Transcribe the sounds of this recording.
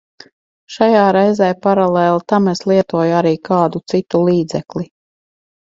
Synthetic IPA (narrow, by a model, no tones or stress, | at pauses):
ʃajaːɾɛjzɛːjpaɾalˠeːlˠt̪ameslˠiɛt̪uɔjaɾiːkʰaːd̪ut̪sit̪ulˠiːd̪zɛkli